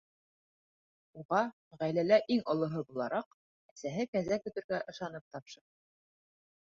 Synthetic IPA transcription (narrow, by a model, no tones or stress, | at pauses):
uʁɑ | ʁæjlælæʔiŋɤ̆lˠɤ̆ɦɤbulˠɑɾɑq | æsæɦɘkæzækɵ̆t̪ɘ̆ɾɡæʔɤ̆ʃɑnɤp̚t̪ɑpʃɤɾɤ